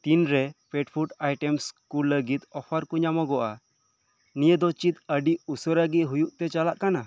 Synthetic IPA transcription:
t̪inɾɛpeʈpʰuʈajʈɛmskuləɡit̪ɔpʰaɾkuɲamɔɡɔʔa̰ | nijəd̪ɔt͡ʃit̪̚əɖiusɔɾəɡiʔɦujuʔt̪ɛt͡ʃalaʔkana

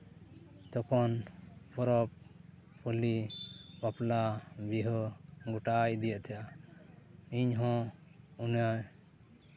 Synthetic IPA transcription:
t̪ɔkʰɔnpɔɾɔp | pulipaplabiɦɔɡuʈajd̪ijaʔt̪ʰɛja | iɲɦɔ̃una

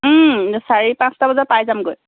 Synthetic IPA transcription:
saɹipãnstabɔzapajzamɡoj

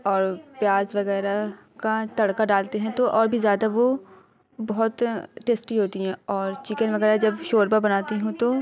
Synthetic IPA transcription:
ɔːɾpjaːzʋɐɣɛːɾa | kat̪ɐɽkaɖaːlt̪eɦɛ̃t̪oʔɔːɾbʱizjaːd̪aʋo | bɐɦʊt̪ʈeːsʈiɦoːt̪iɦɛ̃ɔːɾt͡ʃɪkənʋɐɣɛːɾad͡ʒɐbʃoːɾbabɐnaːt̪iɦũt̪o

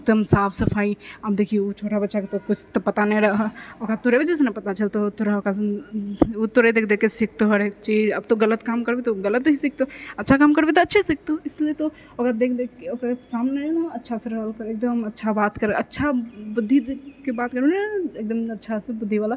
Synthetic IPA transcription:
ek̚d̪əmsaːpʰsɐpʰaːiabd̪ekʰieut͡ʃʰoːʈabɐtːʃʰaket̪okʊt͡ʃʰt̪opɐt̪anɐ̃ɾɐɦokat̪oɾebɐd͡ʒesenɐpɐt̪at͡ʃɐlt̪ot̪oɾəokas | ut̪oɾed̪eːkʰd̪ekesɪk̚ʰt̪oɦɐɾet͡ʃiːd͡ʒɐ̰b̚t̪oɡɐlət̪kaːmkɐɾbet̪oɡɐlət̪ɦisɪk̚t̪oɐtːʃʰakaːmkɐɾbet̪̬oɐtːʃʰesɪk̚ʰt̪oɪsliet̪o | okad̪eːkʰd̪ekeokəɾsaːmnenɐtːʃʰaseɾɐlkɐɾeːk̚d̪əmɐtːʃʰabaːt̪kəɾeʔɐtːʃʰabʊd̪ʱːikebaːt̪kəɾuneːk̚d̪əmɐtːʃʰasebʊd̪ʱːiʋaːla

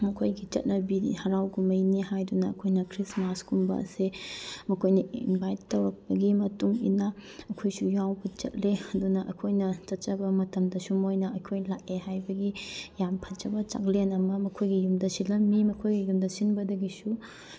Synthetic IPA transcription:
mɐkʰojɡit͡ʃɐ̰t̚nɐbḭhɐɾawɡumɐjnihajdunɐːkʰojnɐkʰɾismaskumbɐ̰ɐ̰semɐkʰojnɐinbʱajtːɐwɾɐk̚bɐɡimɐtuŋḭnaɐkʰojsujawbɐt͡ʃɐ̰t̚leɐdunɐʔɐkʰojnɐt͡ʃɐt̚t͡ʃɐbɐmɐtɐmdɐsumojnɐɐkʰojlak̚ehajbɐɡijampʰɐt͡ʃɐbɐt͡ʃa̰klenɐmɐmɐkʰojɡijumdɐsilɐmːimɐkʰojɡijumdɐsinbɐdɐɡisu

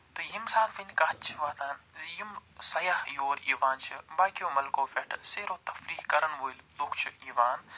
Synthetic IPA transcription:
t̪ɨjimsaːt̪finkat͡ʃʰʋaːt̪aːnzjimsɐjahjoːɾḭːʋaːnt͡ʃʰɨbaːkijoːmɐlkoːfeʈʰseːɾoːt̪ɐfɾiːɦkɐɾənʋoːilloːkt͡ʃʰuiːʋaːn

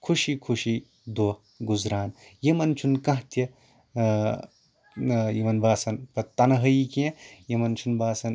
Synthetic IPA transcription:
kʰuʃikʰuʃi | d̪o | ɡuzɾaːn | jɐmɐnt͡ʃʰunkɐ̃ɦt̪jɐ | jimɐnbaːsɐnpɐt̪ːɐnɐɦɐikẽjɐmɐnt͡ʃʰunbaːsɐn

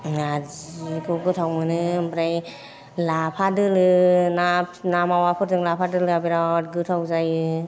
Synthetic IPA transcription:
azikʰɯɡɯtʰawmɯnɯmbɾaj | lapʰadɯlɯnanamawapʰɯɾzɯŋlapʰadɯlɯabiɾaɔt̚ɡɯtʰawzajɯ

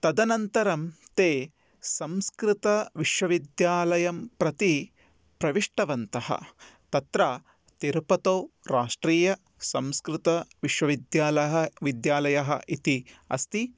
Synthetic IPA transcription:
t̪ɐd̪ɐnɐnt̪ɐɾɐmt̪eː | sɐmskɾɪt̪ɐʋiʃʋɐʋid̪jaːlɐjɐmpɾɐt̪i | pɾɐʋiʂʈɐʋɐnt̪ɐɦɐ̰t̪ɐt̪ɾa | t̪iɾpɐt̪oːɾaːʂʈɾiːjɐ | sɐmskɾɪt̪ɐʋiʃʋɐʋid̪jaːlɐɦɐʋid̪jaːlɐjɐɦɐʔit̪iɐ̰st̪i

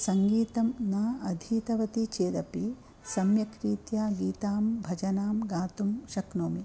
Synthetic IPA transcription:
sɐŋɡiːt̪ɐmnaːɐd̪ʱiːt̪ɐʋɐt̪it͡ʃeːd̪ɐpi | sɐmjɐkɾiːt̪jaːɡiːt̪aːmbʱɐd͡ʒɐnaːmɡaːt̪umʃɐknoːmi

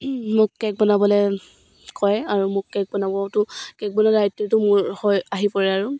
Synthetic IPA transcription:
mʊkːɛk̚bɔnabɔlɛ | kɔjaɹumʊkːɛk̚bɔnabɔtʊkɛk̚bɔnaɹatːitʊmʊɹhɔjaɦipɔɹɛaɹu

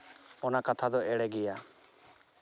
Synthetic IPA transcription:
ɔnakat̪ʰad̪ɔʔɛɽɛɡɛja

